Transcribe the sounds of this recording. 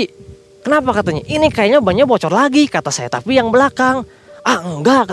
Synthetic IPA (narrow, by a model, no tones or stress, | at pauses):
i | kənapakat̪aɲaʔinikajaɲabaɲabɔt͡ʃɔrlaɡikat̪asaja̰t̪a̰pijaŋbəlakaŋ | aəŋɡak